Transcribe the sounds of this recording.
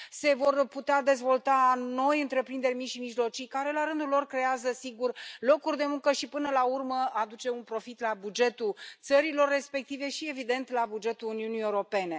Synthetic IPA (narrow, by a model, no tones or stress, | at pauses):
se̞vo̞rput̪ead̪e̞zvo̞lt̪ano̞jɨnt̪ɾe̞pɾind̪e̞rʲmiʃimiʒlo̞t͡ʃijkaɾe̞laɾɨnd̪ulo̞rkɾe̞azəsiɡurlo̞kurʲd̪e̞muŋkəʃipɨnəlaurməad̪ut͡ʃe̞unpɾo̞fit̪labud͡ʒe̞t̪ut̪səɾilo̞rːe̞spe̞k̚t̪ive̞ʃie̞vid̪e̞nt̪labud͡ʒe̞t̪uːniunijeuɾo̞pe̞ne̞